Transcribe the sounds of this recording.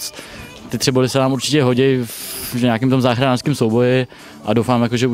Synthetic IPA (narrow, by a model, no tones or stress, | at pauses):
t̪ɪt̪r̥ɪbolɪsɛnaːmuɾt͡ʃɪcɛɦoɟɛjɲaːkimt̪o̞mzaːxɾanaːrskiːmso̞wbo̞jɪ | ʔadowfaːmjakoʒɛ